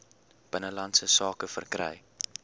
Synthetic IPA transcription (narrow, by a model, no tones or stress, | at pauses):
b̥ənəlɐntsəsɑːkəfərkrɛ̰j